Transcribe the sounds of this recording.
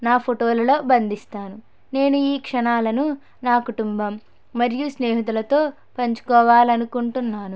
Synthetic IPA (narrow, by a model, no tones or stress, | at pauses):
naːpʰoʈoːlɐlo̞ːbɐnd̪ʱist̪aːnu | ne̞ːnuiːkʂɐnaːlɐnu | naːkuʈumbɐmː | ɐɾjusneːɦiɐt̪̬ulɐt̪o̞ː | pɐɲt͡ʃu̥kɔːʋaːliɐnukuɳʈunːaːnu